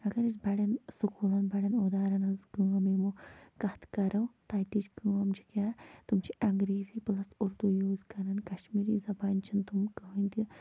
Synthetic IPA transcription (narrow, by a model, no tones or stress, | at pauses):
ɐɡɐɾisbɐɽɐnsukuːlɐnbɐɽɐnoːd̪aːɾɐnɐzɡuɐmemukɐt̪kɐɾɐwt̪aːjt̪it͡ʃɡuɐmd͡ʒikʲaːt̪umt͡ʃʰiʔɐŋɡɾiːziplɐst̪uɾd̪ujoːzkɐɾɐnkɐʃmiːɾiːzɐbaːnt͡ʃʰint̪umkɐɦunt̪i